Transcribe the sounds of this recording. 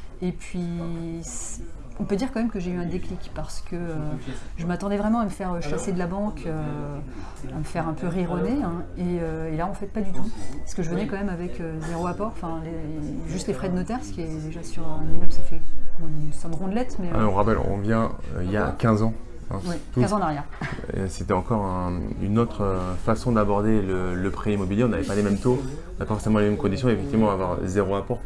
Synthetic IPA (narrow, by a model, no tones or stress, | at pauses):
epɥisɔ̃pød̪iʁkɑ̃mɛmkəʒeyɛ̃d̪eklikpaʁsə̥kəøʒəmat̪ɑ̃d̪ɛvʁɛmɑ̃aməfɛʁøʃased̪əlabɑ̃kʰø | aməfɛʁɛ̃pøʁiʁɔneɛ̃eøelaɔ̃fɛt̪̚pad̪yt̪upḁsə̥kəʒəvənɛkɑ̃mɛmavɛkʰøzeʁoapɔʁɑ̃fɛ̃leʒyst̪lefχɛd̪ənɔt̪ɛʁsə̥kʲiɛd̪eʒasyʁmɛmse̥fɛ | sɔ̃ʁɔ̃d̪lɛt̪mɛɔ̃ʁapɛlɔ̰̃vjɛ̃ø̰ilja̰kʲɛ̃zɑ̃ | ɛ̰̃wɛkɛ̃zɑ̃naʁjɛʁset̪ɛɑ̃kɔʁɛ̃ynot̪χəfasɔ̃d̪abɔʁd̪elələpχeimɔbiljeɔ̃navɛpalemɛmt̪õ | navɛpafɔʁsemɑ̃lemɛmkɔ̃d̪isjɔ̃efɛkt̪ivmɑ̃avwaʁ̰zeʁoapɔʁ